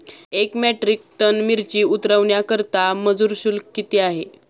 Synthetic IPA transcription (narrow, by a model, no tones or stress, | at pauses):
ekmæʈɾik̚ʈənmiɾt͡ɕiːut̪ɾəʋɳjakəɾt̪aməd͡zuːɾɕulkːit̪iːaɦe